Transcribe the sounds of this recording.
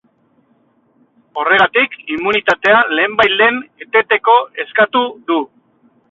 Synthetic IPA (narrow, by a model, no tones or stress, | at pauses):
o̞re̞ɣat̪ikimunit̪at̪e̞ale̞ːmbajle̞ne̞t̪e̞t̪e̞ko̞e̞skat̪uðu